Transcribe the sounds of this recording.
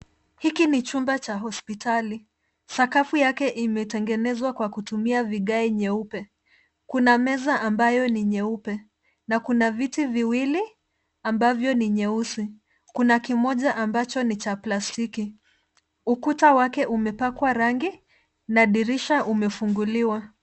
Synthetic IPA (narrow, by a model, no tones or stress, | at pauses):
hikinit͡ʃumbat͡ʃaɦɔspitʰali | sakafujakɛʔimɛtɛŋɡɛnɛzwakwakutumiaviɠaiɲɛupɛ | kunamɛzaʔambajɔniɲɛupɛ | nakunavitiviwili | ambavjɔniɲɛusi | kunakimɔʄaʔambat͡ʃɔnit͡ʃaplastiki | ukutawakɛʔumɛpakwaɾaŋɡi | naɗiɾiʃaʔumɛfuŋɡuliwa